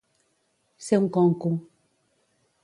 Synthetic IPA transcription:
sɛŋ̩kɔ̃ŋ̩koŋ

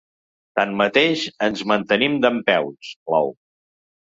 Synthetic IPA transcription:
t̪anmət̪eʃənzmənt̪ənimd̪əmpɛwt͡sla̰w

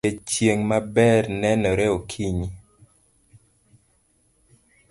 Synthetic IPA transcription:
et͡ʃjeŋmabɛrnɛnɔɾɛokʰiɲi

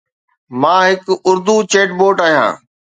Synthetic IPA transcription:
mãːɦɪkʊɾd̪ut͡ɕeːʈboːʈaːɦijã̰ː

